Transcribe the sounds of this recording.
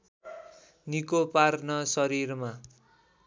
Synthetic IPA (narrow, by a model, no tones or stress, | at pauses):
nikoparnʌsʌɾirma